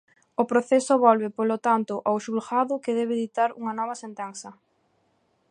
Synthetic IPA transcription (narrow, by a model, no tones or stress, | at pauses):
opɾoθɛsʊβɔlβɪpolot̪ant̪ʊʔawʃulxaðʊkɪðɛβeðit̪aɾṵŋɐnɔβ̞ɐsent̪ɛnsɐ